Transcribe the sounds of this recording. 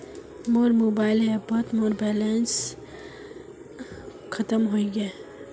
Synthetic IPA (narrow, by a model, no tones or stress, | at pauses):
moːɾmoːbaːɪlɦebɐt̪moːɾbɛːlens | xʰɐt̪əmɦoiɡe